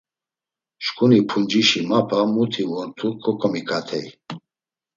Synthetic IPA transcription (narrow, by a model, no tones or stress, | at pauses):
ʃkʰʼunipʰund͡ʒiʃimapʰamut̪ʰivɔnt̪ʰukʰɔkʰɔmikʰat̪ʰɛj